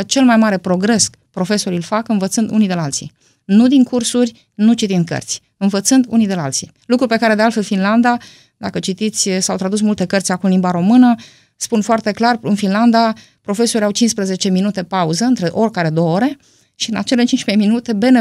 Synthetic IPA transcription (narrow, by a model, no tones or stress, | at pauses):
ət͡ʃe̞lmajmaɾe̞pɾo̞ɡɾe̞s | pɾo̞fe̞so̞ɾilfakɨnvət̪sɨnd̪ṵnijd̪elalt̪sḭ | nud̪iŋkursurʲ | nut͡ʃit̪ind̪̚kə̰rt̪sʲ | ɨnvət̪sɨnd̪ṵnid̪ela̰lt̪sḭ | lukɾupe̞kaɾe̞d̪e̞alfe̞lfinland̪a | d̪akət͡ʃit̪it̪sʲsawt̪ɾad̪us̬mult̪e̞kərt̪sʲakumnlimbaɾo̞mɨnə | spunfoart̪e̞klarɨnfinland̪a | pɾo̞fe̞so̞ɾʲawt͡ʃinspɾeze̞t͡ʃe̞minut̪e̞pauzəɨnt̪ɾeʔorʲkaɾe̞d̪o̞əoɾe̞ | ʃiɨna̰t͡ʃe̞let͡ʃint͡ʃmajminut̪e̞be̞ne